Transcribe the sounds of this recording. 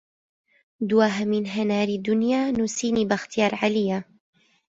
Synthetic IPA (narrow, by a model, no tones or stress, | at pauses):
d̪uwaːɦamɪnɦanaːɾid̪ːʊnjaːnusiːniːbaxt̪ɪjɑːɾˤʕalɪjːa